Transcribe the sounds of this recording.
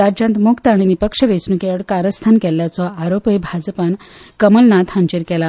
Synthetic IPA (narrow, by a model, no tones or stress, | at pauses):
ad͡ʑãnt̪mukt̪aɽ̃inipəkʂəʋesnukeəɽkaɾəst̪ʰankɛljat͡sɔaɾopebʱad͡zpankəməlnat̪hãɲt͡ɕeɾkɛla